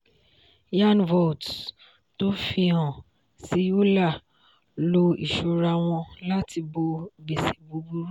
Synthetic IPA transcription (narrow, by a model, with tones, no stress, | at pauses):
ja˦nvɔ˨t | to˦fi˧ã˨ | si˨˦jo˦la˦˨ | lo˧ḭ˨ʃo˧ɾa˧˨w̃ɔ̃˧la˦ti˧bo˧ɡ͡be˨si̥˨bo˨˧˦ɡu˦ɾu˦